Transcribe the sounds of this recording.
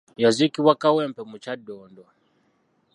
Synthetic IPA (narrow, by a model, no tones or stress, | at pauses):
jazikiwakawɛmpɛmut͡ʃadɔːndɔ